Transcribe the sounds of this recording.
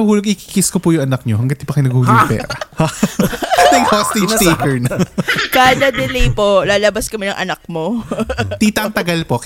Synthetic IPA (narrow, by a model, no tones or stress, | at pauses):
ɐhuːloɡ̚ʔiki̥ːkɪskopujʊŋʔɐnɐk̚ɲoɦɐŋɡɐt̪̚ːɪpɐkɐjnɐɡhuːlʊɡjpɛ̰ːɾɐ | ɐt̪ɛŋhost̪it̪ːkɛɹnkaːd̪ɐd̪ɛlɛjpolaːlɐbɐskɐmɪnɐŋʔɐnɐk̚mot̪iːt̪ɐŋt̪ɐɡɐlpo